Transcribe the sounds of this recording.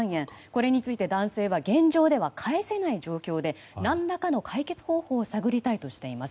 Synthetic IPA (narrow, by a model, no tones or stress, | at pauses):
ɰ̃ẽ̞ko̞ɾe̞ɲ̟it͡sɨit̪e̞d̪ãɰ̃se̞ːβaɡẽ̞ɲ̟d͡ʑo̞ːd̪e̞βakʰaese̞naiʑo̞ːkʲo̞ːd̪e̞ | nãnːakano̞kʰaike̞t͡sɨ̥ho̞ːho̞ːsaɡɯ̟ɾʲit̪ait̪o̞ɕi̥t̪e̞imasɨ